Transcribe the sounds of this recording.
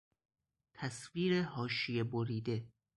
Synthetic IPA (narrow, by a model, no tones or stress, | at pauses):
t̪ʰæsviːɾehɒːʃijeboɾiːd̪e̞